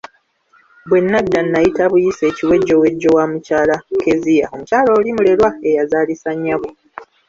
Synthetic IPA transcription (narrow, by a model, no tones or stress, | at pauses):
bwe̞nːadːanːajitaβujise̞ːciwe̞ɟːo̞we̞ɟːo̞wamucaːlake̞zija̰o̞mucaːloːlimule̞lwae̞jazaːlisaɲːaβo